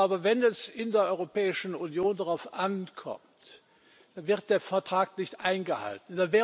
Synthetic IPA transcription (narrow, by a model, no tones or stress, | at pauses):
aːbɐvɛnɛsɪndeːɐʔɔʏʁopɛːɪʃn̩unjoːndaʁaʊfʔankʰɔ̰mt | d̥anvɪʁt̚d̥eːɐfɛɐtʁ̥aːknɪçtʔaɪnɡəha̰ltn̩d̥anvɛː